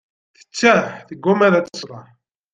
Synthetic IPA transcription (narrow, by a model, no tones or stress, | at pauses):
θə̥t͡sːæθəɡːumæðæt͡sə̥sˤɾˤɑħ